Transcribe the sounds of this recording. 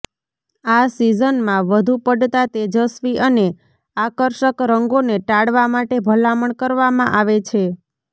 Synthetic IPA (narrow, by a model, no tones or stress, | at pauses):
asizənmãʋəd̪ʱupəɖt̪at̪ed͡ʒəsʋiʔəne | akəɾʃəkɾəŋɡoneʈaɽʋamaʈebʱəlaməɳkəɾʋamãʔaʋet͡ʃʰe